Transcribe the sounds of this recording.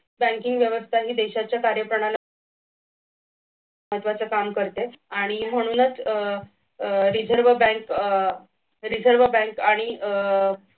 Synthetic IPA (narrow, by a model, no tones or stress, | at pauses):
bæ̃ŋkiŋɡʋjəʋəst̪ʰaɦiːd̪eɕat͡ɕjakaɾjəpɾəɳ̃al | əɦət̪ʋat͡səkamkəɾt̪eaɽ̃im̤əɽ̃uːnət͡s | ɾid͡zʱəɾʋəbɛ̃ŋk | ɾid͡zʱəɾʋəbæ̃ŋkaɽ̃i